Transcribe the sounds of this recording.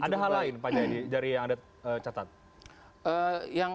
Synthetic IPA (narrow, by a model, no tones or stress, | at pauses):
adaɦalaɪnpad͡ʒadid͡ʒaɾijaŋada | ət͡ʃat̪at̪̚ | əjaŋ